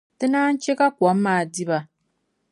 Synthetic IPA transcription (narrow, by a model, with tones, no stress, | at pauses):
tɨ˦naː˦n̩˦t͡ʃe˦ka˦kʷɔ˨˦mː˦aː˨di˦ba˨